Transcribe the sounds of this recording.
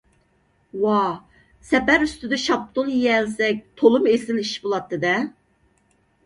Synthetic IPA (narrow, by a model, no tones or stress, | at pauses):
wɑ | sɛpæɾyst̪yd̪ɛʃɑp̚t̪ʰonjɛlsɛk̚ʲt̪ʰolˠumesɪniʃbolˠɑt̪ːɨd̪ɛ